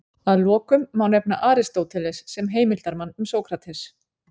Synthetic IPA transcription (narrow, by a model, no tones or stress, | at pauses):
aðlɔːkʏmːawnɛp̚naʔaːɾɪst̪oːwt̪ʰɪlɛsːɛmɦeːjmɪlt̪aɾmanːʏmsoːwkʰɾat̪ʰɛs